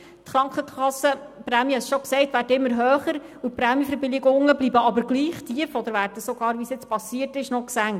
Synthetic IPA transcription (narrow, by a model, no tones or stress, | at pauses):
t̪χɾɑŋkχəχɑsːəpɾæmjihɛsʃɔksɛɪtʋæːɾdəɪmːəɾɦøːχəɾupɾæːmjifəɾbɪlɪɡʊŋːəblibəɑbəɾɡliːχtʰiəfɔd̪əɾʋæɾdəsɔɡ̥ɑːɾʋisjɪt͡spɑsiətɪʃnɔksæŋ